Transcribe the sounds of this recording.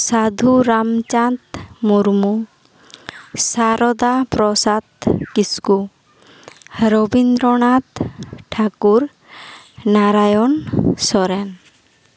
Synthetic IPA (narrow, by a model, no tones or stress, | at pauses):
sad̪ʱuɾamt͡ʃant̪muɾmu | saɾɔd̪apɾɔsat̪kisku | ɾɔbind̪ɾɔɳ̃at̪ʈʰakuɾ | naɾajɔnsɔɾɛn